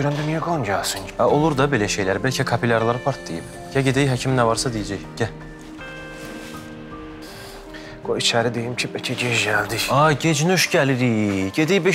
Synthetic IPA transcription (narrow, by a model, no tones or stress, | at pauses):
ɾænd̪ymijeɡonɟalsɯnæolˠuɾd̪ɑbe̞læʃe̞jlæɾbælʲcʰɛkʰɑpʰilʲɑɾlˠɑɾɯpʰɑɾt̪̚d̪ejḭb | ɟæɟed̪ejɦæcʰimnævɑɾsɑd̪ijæd͡ʒæjɟ̥æ | ɡ̥oit͡ʃʰæɾid̪ejimcʰipɛcʰiɟed͡ʒɟæld̪iɑɟed͡ʒnyʃɟæliɾiɟed̪ijbe